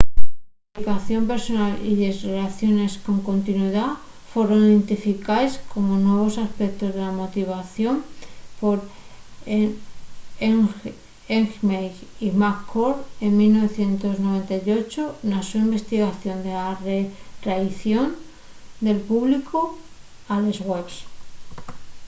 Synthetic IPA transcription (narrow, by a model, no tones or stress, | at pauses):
plikaθjo̞mpe̞ɾso̞naliðezrelaθjo̞ne̞sko̞ŋko̞nt̪inwiða | fwe̞ɾo̞niðe̞nt̪ifikaesko̞monwe̞β̞o̞saspek̚t̪o̞zðe̞lamo̞t̪iβ̞aθjo̞mpo̞ɾ | eŋ | eŋxmejimakʰːoɾe̞ŋmilno̞β̞e̞θje̞nt̪o̞zno̞β̞e̞nt̪ajo̞t͡ʃonasuimbe̞st̪iɣaθjo̞nd̪elaret̪ɾaiθjo̞n | d̪e̞lpuβlikʰo | alezɣwe̞βs